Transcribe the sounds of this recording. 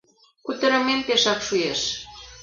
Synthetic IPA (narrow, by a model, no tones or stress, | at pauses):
kut̪ə̆ɾə̆menpeʃɑkʃueʃ